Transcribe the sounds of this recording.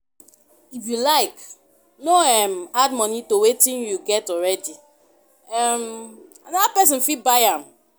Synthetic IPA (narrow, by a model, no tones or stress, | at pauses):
ifjulaɪk | noɛmad̚mɔnitowetĩnjuɡɛtɔɹɛdi | ɛmanɔðapɛs̬ĩnfibaɪãm